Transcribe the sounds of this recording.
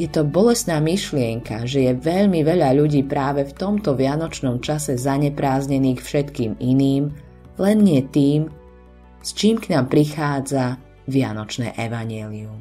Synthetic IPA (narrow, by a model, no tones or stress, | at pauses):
jɛt̪ɔbɔlɛst̪naːmiʃlɪɛŋkaʒɛjɛʋɛʎmiʋɛʎaʎuɟiːpɾaːʋɛft̪ɔmt̪ɔʋɪanɔt͡ʃnɔmt͡ʃasɛzaɲɛpɾaːzɲɛniːxfʃɛt̪kiːminiːm | lɛnɲɪɛt̪iːm | st͡ʃiːmknaːmpɾixaːd͡za | ʋɪanɔt͡ʃnɛ̰ːʔɛʋaɲɪɛːlium